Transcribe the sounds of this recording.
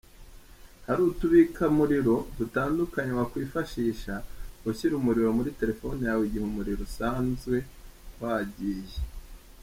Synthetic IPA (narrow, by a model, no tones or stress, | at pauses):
haɾuːtuβikʰamuɾiɾo̞dutaːndukaɲewakwiːfaʃiːʃaɡuçiɾumuɾiɾo̞muɾite̞ɾe̞fo̞nijawiɟihumuɾiɾosaːnzɡwe̞ | waɟije